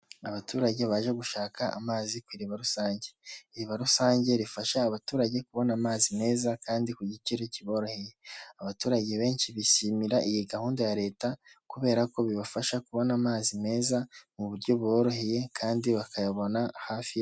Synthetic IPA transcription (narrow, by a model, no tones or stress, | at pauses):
aβatuːɾaɟe̞βaːʒe̞ɡuʃaːkaa̰maːzikwiːɾiβaɾusaːɲɟe̞iɾiβaɾusaːɲɟe̞ɾifaʃaːβatuːɾaɟe̞kuβo̞namaːzime̞ːzakaːndikuɟiciɾeciβo̞ːɾo̞he̞je̞aβatuːɾaɟe̞βe̞ːnʃiβiʃimiɾaʔijiɡahuːndojaɾe̞ːtakuβe̞ːɾako̞βiβafaʃakuβo̞naːmaːzime̞ːzamuβuɾɟo̞βo̞ːɾo̞he̞je̞kʰaːndiβakʰajaβo̞nahaːfi